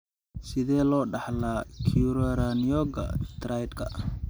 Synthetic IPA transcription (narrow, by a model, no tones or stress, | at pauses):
sɪðɛːlɔːɖɑħlaːkʰuɾɐɾanijɔːɡɐ̰t̪ʰrajd̪kʰɐ